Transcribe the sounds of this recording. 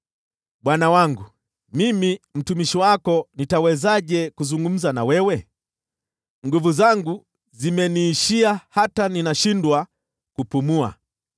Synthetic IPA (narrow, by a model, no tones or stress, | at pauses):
ɓwanawaŋɡu | mimim̩tumiʃiwakɔnitawɛzaʄɛkuzuŋɡum̩zanawɛwɛ | ŋɡuvuzaŋɡu | zimɛniːʃiahataninaʃindwa | kupumua̰